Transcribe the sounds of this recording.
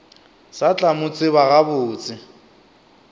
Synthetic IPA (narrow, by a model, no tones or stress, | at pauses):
sat͡ɬʼamʊt͡sʼɪβaɣabʊːt͡sʼɪ